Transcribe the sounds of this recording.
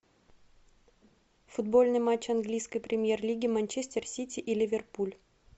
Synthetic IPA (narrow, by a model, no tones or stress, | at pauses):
fʊd̪bo̞lʲnɨjmat͡ɕːɐnɡlʲijskəjpɾʲɪmʲjerlʲiɡʲɪmɐnʲt͡ɕesʲt̪ʲɪrsʲitʲɪʔilʲɪvʲɪrpulʲ